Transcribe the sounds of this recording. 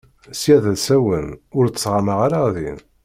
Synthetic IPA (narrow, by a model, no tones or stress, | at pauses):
sjæðæsæwənʊɾəsʁaməʁaɾaðḭn